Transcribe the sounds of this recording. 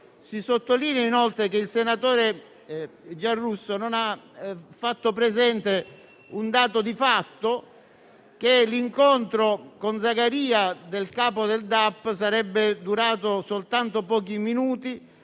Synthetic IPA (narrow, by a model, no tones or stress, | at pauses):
sisot̪ːoliːnjainɔlt̪ɾek̟eilsenat̪oːɾe | d͡ʒarːusːononafat̪ːopɾezɛnt̪e | und̪aːt̪od̪ifat̪ːo | k̟eliŋkont̪ɾokonzaɡaɾiːad̪elkaːpod̪eld̪apːs̬aɾɛbːɪd̪uɾaːt̪osolt̪ant̪opɔːk̬iminuːt̪i